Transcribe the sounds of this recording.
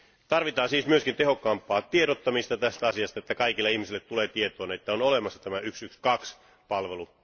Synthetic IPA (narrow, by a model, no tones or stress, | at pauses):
t̪ɑrʋit̪ɑːnsiːsmyøskint̪eho̞kːɑːmpˑɑːt̪ieɾot̪ːɑmist̪ɑt̪æst̪æɑsiɑst̪ɑet̪ːækɑikilːeihmisilːet̪tuleːt̪iet̪oːnet̪ːæonolemɑsːɑt̪æmæyksykskɑks | pɑlʋelu